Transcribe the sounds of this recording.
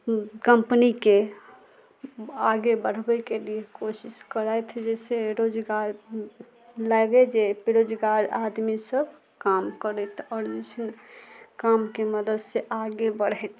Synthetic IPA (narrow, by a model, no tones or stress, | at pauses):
kəmpnike | aɡebəɽ̤bɛkelijekosiskəɾajt̪ʰd͡ʒɛseɾod͡ʒɡaɾ | laɡed͡ʒepeɾod͡ʒɡaɾad̪misəbʱ | kamkəɾɛt̪ʰɔɾit͡ʃʰənkamkeməd̪əd̪seʔaɡebəɽ̤ɛt̪